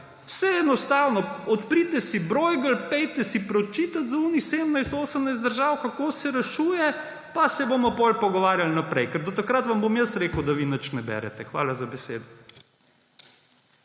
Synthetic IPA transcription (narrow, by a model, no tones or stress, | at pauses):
wsɛɛnɔst̪aːwnɔɔt̪pɾit̪ɛsibɾojɡəlpɛjt̪ɛsipɾɔt͡ʃiːt̪at̪zuːniseːd̪əmnajst̪oːsəmnajst̪d̪əɾʒaːwkakoːsɛɾɛʃuːjɛ | pasɛboːmɔpɔlpɔɡɔʋaːɾjalnapɾɛjkɛɾd̪ɔt̪akɾat̪ʋambomjəsɾeːkəwd̪aʋinət͡ʃnɛbɛ̰ɾɛ̰t̪ɛxʋa̰ːlazabɛsḛːd̪ɔ